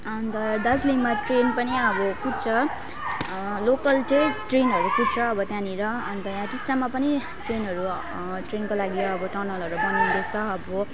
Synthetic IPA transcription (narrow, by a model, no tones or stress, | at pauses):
ʌnt̪ʌd̪ʌsliŋmaʈrenpʌniʌbʌkut͡sʰʌ | lokʌlʈeʈrenɦʌɾukutt͡sʰʌːbʌt̪jãniɾʌʌnt̪ʌjãʈisʈamapʌni | ʈrenɦʌɾu | ʈrenkolaɡiʌbʌʈʌrnʌlʌɾubʌnand̪est̪ʌːbʌ